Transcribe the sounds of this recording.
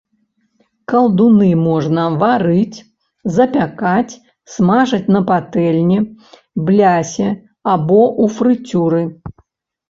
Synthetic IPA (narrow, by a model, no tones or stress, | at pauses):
kɐlˠd̪unɨmɔʐnɐvaɾɨt͡sʲ | zɐpʲakat͡sʲ | smaʐɐt͡sʲnɐpat̪ɛlʲnʲi | blʲasʲɛ | abɔʔufɾɨt͡sʲuɾɨ